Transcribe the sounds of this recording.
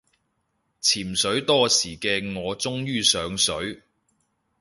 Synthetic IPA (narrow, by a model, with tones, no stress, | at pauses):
t͡sʰiː˨˩msɵ˨˥ɥt̪ɔː˥siː˨˩kɛː˧ŋɔː˨˧t͡sʊ˥ŋjyː˥sœː˨˥ŋsɵ˨˥ɥ